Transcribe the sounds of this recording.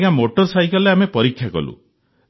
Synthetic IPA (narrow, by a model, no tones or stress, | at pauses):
ɡãmoʈɔɾsajkɔleamepɔɾikʰːjakɔ̰lṵ